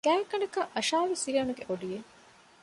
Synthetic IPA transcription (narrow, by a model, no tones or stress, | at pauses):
kæːkːɐɳɐkɐʔɐʃaːʋisiɾiɐnuɡeʔoɖije